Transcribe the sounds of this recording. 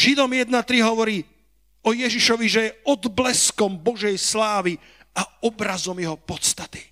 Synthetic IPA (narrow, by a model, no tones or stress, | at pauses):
ʒid̪ɔmjɛd̪nat̪ɾiɦɔʋɔɾiː | ɔjɛʒiʃɔʋiʒɛjɛɔd̪blɛskɔmbɔʒɛjslaːʋi | aɔbɾazɔmjɛɦɔpɔt̪st̪at̪i̥